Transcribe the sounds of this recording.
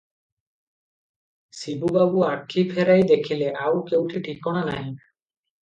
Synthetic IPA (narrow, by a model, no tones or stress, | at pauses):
sibubabuakʰːipʰɛɾajd̪ekʰileʔawkewʈʰiʈʰikːɔɽ̃anaɦj